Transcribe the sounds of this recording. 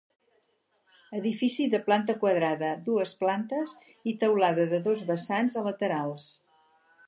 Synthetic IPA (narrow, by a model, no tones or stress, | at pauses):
əðifisiðəplant̪əkwəðɾaðəðuəsplant̪əz | it̪əwlaðəðəðozβəsanzələt̪əɾalˠs